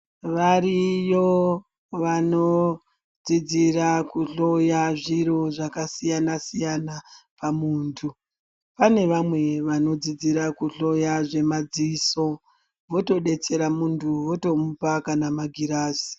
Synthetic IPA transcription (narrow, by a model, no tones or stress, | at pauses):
ʋarijo | ʋano̞ | d͡zid͡ziɾakuɬo̞jaʐiɾo̞ʐakasijanasijanapamuːntʰu | pane̞ʋamwe̞ʋano̞d͡zid͡ziɾakuɬo̞jaʐe̞mad͡ziso̞ | ʋo̞to̞ɗe̞t͡se̞ɾamuntʰuwo̞to̞mupakanamaɡʱiɾaːsi̥